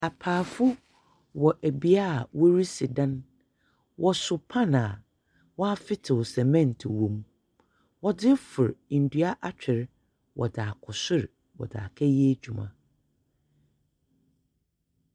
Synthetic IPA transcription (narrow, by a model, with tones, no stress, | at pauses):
a˨pʰaː˨fʊ˦ | wɔ˨ʔæ˨bi˨a˦˨wɔ˦ɾi˦si˨dã˦n | wʔɔ˨sʊ˨pʰã˦˨na˨ | wɔ˦a˦fɪ˦tʰɪ˨sɛ˨mɛ̃˦˨n˨tʰɪ˨wõ˨m | wɔ˦dɪ˦fʊ˨ɾn̩˨du˨˦a˦ʔa˦t͡ɕᶣɪ˨ɾ | wʔɔ̰˨daː˨kʰɔ˨sʊ˦ɾ | wɔ̰˨da̰ː˨kʰɛ˦jɛ˦d͡ʑᶣu˨mã̰˨